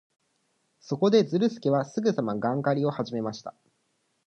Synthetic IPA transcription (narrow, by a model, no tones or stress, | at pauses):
so̞ko̞d̪e̞d͡zɨɾɯ̟sɨ̥kʲiβasɨɡɯ̟samaɡãŋkaɾʲio̞haʑime̞maɕi̥t̪ḁ